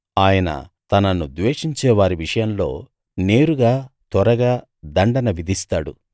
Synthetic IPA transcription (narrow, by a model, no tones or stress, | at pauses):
aːjɐnɐ̰t̪ɐnɐnud̪ʋeːʂiɲt͡ʃɛːʋaːɾiʋiʂɐjɐmlo̞̰ː | neːɾuɡaːt̪ɐɾɐɡaː | d̪ɐɳɖɐnɐʋid̪ʱist̪aːɽṵ